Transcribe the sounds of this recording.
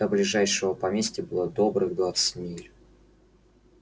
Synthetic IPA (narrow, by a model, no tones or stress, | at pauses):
əblʲɪʐajʂɨvəpɐmʲesʲtʲɪbɨlˠad̪o̞bɾɨɣd̪vat̪sɨ̥tʲmʲelʲ